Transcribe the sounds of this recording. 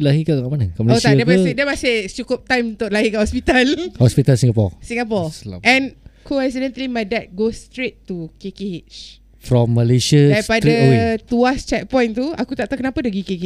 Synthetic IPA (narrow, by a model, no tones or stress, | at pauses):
laɦikaaŋaʔmanakamlot̪adiəmaɪdəmasɪht͡ʃukʊp̚t̪ãjmunt̪ʊʔlaɦikaʔhɔspit̪alhɔspit̪alsĩŋɡapɔ̰sĩŋɡapɔsʔɛ̃nkʰoɾɛs̬idɛ̃nt̪limajdɛt̪̚ɡost̪ɾet̪ːukekeet͡ʃ | fɾɔ̃mːəleʃəajspadɾiat̪uast͡ʃɛk̚pɔ̃jnt̪uakut̪aʔt̪awkənapadaɡikeke